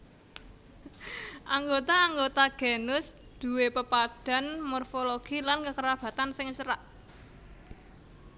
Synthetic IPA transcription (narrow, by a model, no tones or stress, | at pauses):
ʔaŋɡot̪aːŋɡot̪aɡ̥enʊsd̪̥ṳwepəpad̥a̤nmɔrfoloɡ̥ilankəkəɾab̥ä̤t̪ansɪŋsəɾaʔ